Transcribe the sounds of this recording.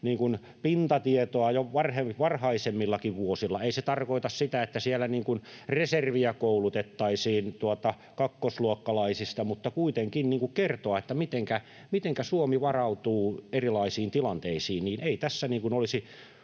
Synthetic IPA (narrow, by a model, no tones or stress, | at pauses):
niːŋkun | pint̪ɑt̪iet̪oɑjoʋɑrheʋɑrhɑisemːilːɑkiʋʋuosilːɑeiset̪ɑrkoit̪ɑssit̪æet̪ːæsiælːæniːŋkunreserʋiækoulut̪et̪ːɑisiːnt̪uot̪ɑ | kɑkːosluokːɑlɑisist̪ɑmut̪ːɑkuit̪eŋkinniːŋkukkert̪oɑet̪ːæmit̪eŋkæ | mit̪eŋkæsuomiʋɑrɑut̪uːerilɑisiːnt̪ilɑnt̪eisiːnniːnʔeit̪æsːæniːŋkunolisi